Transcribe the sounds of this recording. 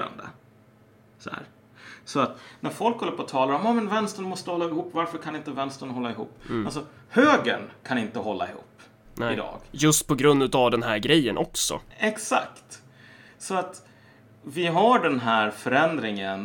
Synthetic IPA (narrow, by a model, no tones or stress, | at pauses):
a̰nd̪ə̰ | sɔhæ̰ːɾ | sɔat̪næɾfɔlkhɔlːəɾpʰɔt̪ʰɑːlaɾɔmaːmɛnvɛnst̪əɳmɔst̪əhɔlːaɪhuːpːvaɾfəɾkʰanɪnt̪əvɛnst̪əɳɦɔlːaɪɦṵːpːals̬ɔ | høːɡə̰ɳkʰanɪnt̪əɦɔlːa̰ɪhṵːpː | nɛɪd̪ɑ̰ːɡ̥jɵst̪pʰɔɡɾɵnd̪ʉt̪avd̪ɛnɦæːɾɡɾɛjːənʔɔksɔ̰ɛksa̰kt̪ | sɔat̪ | vɪɦaɖɛnɦæɾfœɾɛnd̪ɾɪŋən